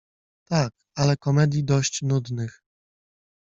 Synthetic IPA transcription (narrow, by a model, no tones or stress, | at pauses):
t̪ak | alɛkɔmɛd̪ʲjid̪ɔɕt͡ɕnud̪nɘx